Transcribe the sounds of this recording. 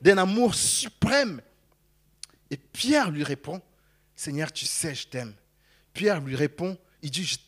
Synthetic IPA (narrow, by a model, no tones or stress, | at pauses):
d̪ɛ̃namuʁsypχɛm | epjɛʁlɥiʁepɔ̃ | sɛɲœʁt̪y̥sɛʒət̪ɛm | pjɛʁlɥiʁepɔ̃ | ild̪iʒət̪